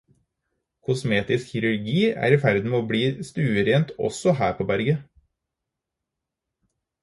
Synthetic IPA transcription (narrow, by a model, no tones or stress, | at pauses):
kʰʊsmeːt̪ɪskçɪɾʉɾɡiːæ̰ːɾiːfæɾd̪n̩meːoːbɽiːst̪ʉːəɾeːnt̪ɔ̰sɔhæːɾpʰoːbæɾɡə